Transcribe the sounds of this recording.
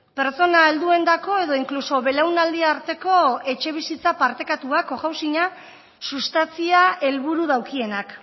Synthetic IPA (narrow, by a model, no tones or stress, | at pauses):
pe̞ɾt͡so̞nae̞ld̪ue̞nd̪ako̞e̞ðo̞iŋkluso̞βe̞lawnald̪iaːɾt̪e̞ko̞e̞t͡ʃe̞β̞isit͡sapaɾt̪e̞kat̪uako̞ɣawsiɲa | sust̪ant͡siae̞lβ̞uɾuðawkie̞nak